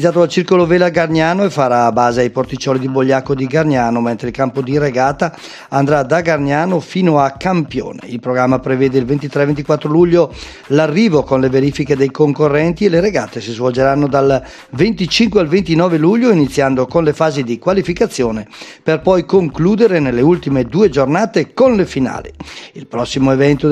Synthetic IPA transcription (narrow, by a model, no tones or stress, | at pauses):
t̪ːaːt̪̬oalt͡ʃirkoloveːlaɡarɲaːnoefaɾaːbaːzeajport̪it͡ʃːɔːlid̪iboʎːakod̪iɡarɲaːnoment̪ɾeilkampod̪iɾeɡaːt̪aː | nd̪ɾad̪aɡarɲaːnofiːnoakːampjo̰ːnḛilpɾoɡɾamːapɾevɛːd̪eilvent̪it̪ɾɛvent̪ikwat̪ːɾoluʎːo | larːiːvokonleveɾiːfiked̪ejkoŋkorːɛnt̪ieleɾeɡaːt̪esizvold͡ʒeɾanːod̪al | vent̪it͡ʃiŋkwealvent̪inɔːveluʎːoinit̪sːjand̪okonlefaːzid̪ikwalifikat̪sːjoːneperpɔjkoŋkluːd̪eɾenelːeult̪imed̪uːed͡ʒornaːt̪ekonlefina̰ːlḭilpɾɔsːimoevɛnt̪o